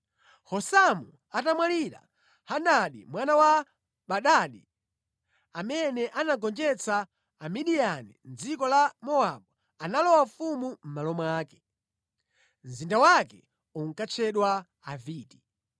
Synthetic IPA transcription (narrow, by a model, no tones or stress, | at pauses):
hɔsamu | atamwaliɾa̰ | handaɗḭmwanawa | ɓaɗaɗi | amɛnɛʔanaɡɔnd͡ʒɛt͡saː | miɗijanḭnd͡zikɔlamɔaɓu | analɔwafumum̩malɔmwaːkɛ̥ | n̩zindawakɛ | uŋ̩kat͡ʃʰɛɗwa | aviːti̥